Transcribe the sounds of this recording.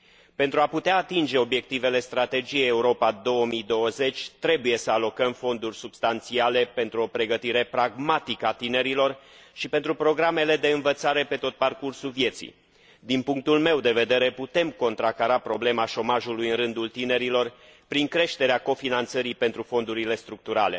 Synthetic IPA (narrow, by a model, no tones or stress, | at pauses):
pe̞nt̪ɾuaput̪eaːt̪ind͡ʒe̞o̞bje̞k̚t̪ive̞le̞st̪ɾat̪e̞d͡ʒijejeuɾo̞pad̪o̞wəmid̪o̞wəze̞t͡ʃʲt̪ɾe̞buje̞səalo̞kəmfo̞nd̪urʲsubst̪ant̪siale̞pe̞nt̪ɾuo̞pɾe̞ɡət̪iɾe̞pɾaɡmat̪ikəat̪ine̞ɾilo̞rʃipe̞nt̪ɾupɾo̞ɡɾame̞le̞d̪e̞ɨnvət̪saɾe̞pe̞t̪o̞t̪̚parkursulvje̞t̪sḭ | d̪inpuŋk̚t̪ulme̞wd̪e̞ve̞d̪e̞ɾeput̪e̞mko̞nt̪ɾakaɾapɾo̞ble̞maʃo̞maʒulujɨnrɨnd̪ult̪ine̞ɾilo̞r | pɾiŋkɾe̞ʃt̪e̞ɾeako̞finant̪səɾipe̞nt̪ɾufo̞nd̪uɾile̞st̪ɾuk̚t̪uɾa̰le̞̰